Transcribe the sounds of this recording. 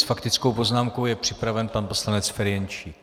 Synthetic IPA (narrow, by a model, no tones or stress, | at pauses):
sfakt̪ɪt͡skowpo̞znaːmko̞wjɛpr̝̥ɪpɾavɛnpanpo̞slanɛt͡sfɛɾɪjɛnt͡ʃi